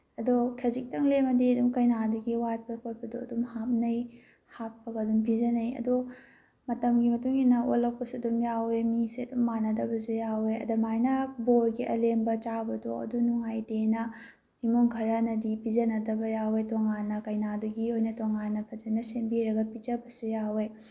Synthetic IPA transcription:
ɐdokʰezik̚tɐŋlemɐdiɐdumkɐjnaduɡiwat̚pɐkʰot̚bɐdoɐdumhap̚nɐj | hapːɐɡɐdumpizɐnɐjɐ̰do | mɐtɐmɡimɐtuŋinɐolːɐk̚pɐsuɐdumjawemiseɐdumːanɐdɐbɐzujaweɐ̰dɐmajnɐboɾɡiʔɐ̰lembɐt͡ʃabɐdoɐ̰dunuŋajdenɐ | imuŋkʰɐɾɐnɐdipizɐnɐdɐbɐjawetoŋanːɐkɐjnaduɡihojnɐtoŋanːɐbɐd͡ʒɐnɐsembiɾɐɡɐpid͡ʒɐbɐsujawe

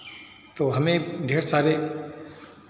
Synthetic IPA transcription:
t̪oːɦəmẽɖʱeːɾsaːɾe

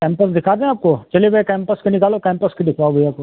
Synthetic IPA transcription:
kɛ̃ːmpəsd̪ɪkʰaːd̪eẽaːp̚kot͡ʃɐleʋkɛ̃ːmpəskenɪkaːlokɛ̃ːmpəsked̪ɪkʰʋaːɡoiaːpko

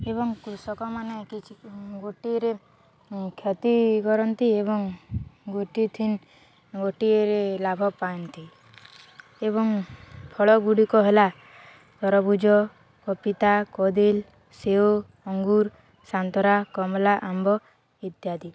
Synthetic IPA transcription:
eβɔŋkɾusɔkɔmanekit͡ʃʰiɡoʈiɾe | kʰjɔt̪iɡɔɾɔnt̪ieβɔŋɡoʈit̪ʰin | ɡoʈieɾelabʱɔpaɔnt̪i | eβɔŋpʰɔɭɔɡuɽikɔɦela | t̪ɔɾɔbud͡ʒɔ | kɔpit̪akɔd̪il | seo | ɔŋɡuɾ | sant̪ɔɾakɔmlaʔambɔ | it̪jad̪i

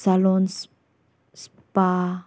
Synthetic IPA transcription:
salons | s | pa

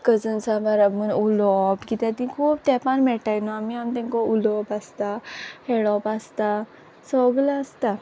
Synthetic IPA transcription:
kəd͡zənsabaɾabmənulɔpɡit̪at̪ĩkʰuːbt̪ɛpanmɛʈajnɔamiamt̪ɛ̃ŋkɔulobast̪aheɭɔpast̪a | sɔɡlast̪a

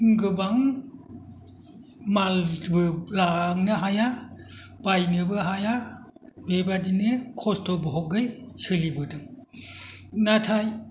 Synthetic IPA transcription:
ɡɯbaŋ | malbɯlaŋnɯɦaja | bajnɯbɯɦaja | bebadinekʰɔstɔbɔɦɔɡɯjsɯlibɯdɯŋ | natʰaj

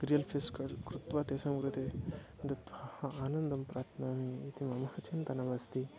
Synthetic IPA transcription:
ɾijɐlpʰiskɐɾkɾut̪ʋat̪esɐmkɾɨt̪e | d̪ɐt̪ɐhɐaːnɐnd̪ɐmpɾaːt̪naːmiːt̪imɐmɐhɐt͡ʃent̪ɐnɐbɐst̪i

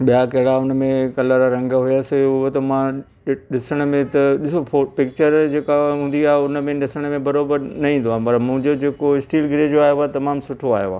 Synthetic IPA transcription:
ɓijakɐɦɪɽaʊn̆mẽkɐləɾaɾɐ̃ŋɡɦʊjaseʊɦot̪ɐmã | ɗɪsəɽ̃ə̆mẽt̪ɐɗɪsoopɪkt͡ɕəɾd͡ʑeːkaɦũːn̆d̪iaːɦʊnmẽɗɪsəɽ̃əmẽbɐɾoːbəɾnɐɦĩːn̆d̪oaːɦpɐɾmʊ̃ɦɪ̃ɲd͡ʑod͡ʑeːkoɪsʈiːlɡʱɪɾed͡ʑoaːɦjoat̪ɐmaːmsʊʈʰoaːɦjoaː

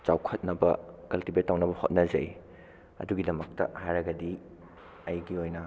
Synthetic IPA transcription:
t͡ʃawkʰɐt̚nɐbɐkɐltibetːawnɐbɐho̰t̚nɐzɐj | ɐ̰duɡidɐmɐk̚tɐ̰hajɾɐɡɐdi | ɐjɡiojnɐ

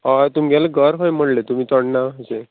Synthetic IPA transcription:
at̪umɡalaɡəɾɦojm̤əɽlet̪um̤iːt̪ɔɽnaɦse

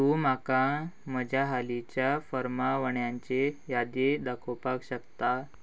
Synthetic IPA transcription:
t̪umakãməd͡ʑʱaɦalit͡ɕjafəɾmaʋəɳjaɲt͡ɕejad̪ed̪akʰopakɕəkt̪a

